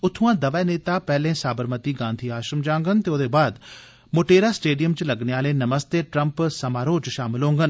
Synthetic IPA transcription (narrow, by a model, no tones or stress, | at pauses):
ʊt̪ʰːuãːd̪ɐʋɛːneːt̪aːpɛːlẽːsaːbəɾmət̪iːɡãːnd̪ʱiːaːʃəmd͡ʒãːŋɡənt̪eoːd̪eːbaːd̪ | moʈeːɾaːsʈeːɖijəmt͡ʃlɐɡneaːleːnɐməst̪eːʈɾə̃mpsɐmaːɾoːt͡ʃʃaːmɪlɦõːŋɡən